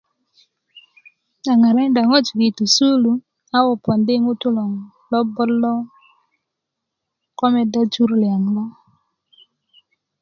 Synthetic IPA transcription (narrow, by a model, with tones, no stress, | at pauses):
a˨ŋa˨ɾɛ˦nda˨ŋɔ˦t͡ʃɡi˨tu˨su˦lu˨ | a˦wɔ˨pɔ˨ndɪ˦ŋʊ˦tʊ˦lɔ˨ŋ | lɔ˦bɔ˦lɔ˦ | kɔ˦mɛ˦da˦t͡ʃu˦ɾlja˨ŋlɔ˦